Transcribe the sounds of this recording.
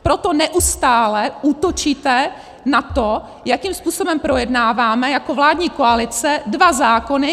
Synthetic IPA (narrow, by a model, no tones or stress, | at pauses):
pɾot̪o̞nɛʔust̪aːlɛʔuːt̪ot͡ʃiːt̪ɛ | nat̪o | jakiːmspuːso̞bɛmpɾo̞jɛdnaːvaːmɛjakovlaːdɲiːkoalɪt͡sɛdvazaːko̞nɪ